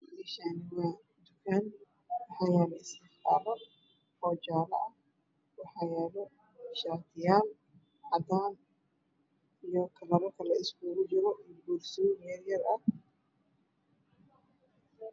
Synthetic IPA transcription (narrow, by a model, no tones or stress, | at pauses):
lɛʃanɪwan | d̪ʊkʰan | wɑħɑjaːlɔɪst̪ɪħfaːlɔ | fɔːd͡ʒaːlɐ̰ʔɐh | wɑħɑːjaːlɔ | ʃaːt̪ʰɪjaːl | ʕɑd̪aːn | ijɔkʰɐlɐɾɐkʰɐlɐɪsɡuːɾɪd͡ʒɪɾɔʔɪbuːrsɔmɛːrjɐrɐ